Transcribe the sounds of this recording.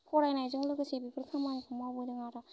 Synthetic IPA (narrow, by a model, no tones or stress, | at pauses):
kʰɔɾajnajzɯŋlɯɡɯsebipʰɯɾkʰɯmankʰɯmabɯdɯŋaɾa